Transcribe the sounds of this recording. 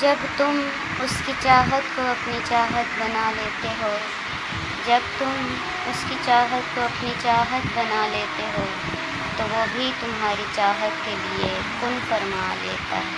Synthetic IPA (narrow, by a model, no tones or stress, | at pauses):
d͡ʒɐbt̪ʊm | ʊskit͡ʃaːɦət̪koɐpnit͡ʃaːɦət̪bɐnaleːt̪eɦoː | d͡ʒɐb̚t̪ʊm | ʊskit͡ʃaːɦət̪̚koɐpnit͡ʃaːɦət̪bɐnaleːt̪eɦoː | t̪oʋoːbʱit̪ʊmɦaːɾit͡ʃaːɦət̪kelie | kʊmpɐɾma̰ːlḛːt̪a̰ɦɛː